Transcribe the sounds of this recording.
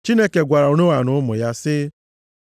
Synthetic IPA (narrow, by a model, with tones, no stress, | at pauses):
t͡ʃi˦ne˦ke˨ɡʷa˨ɾa˨o˨no˦wa˨nʊ˦ʊ˦mʊ̰˨ja˦sɪ˦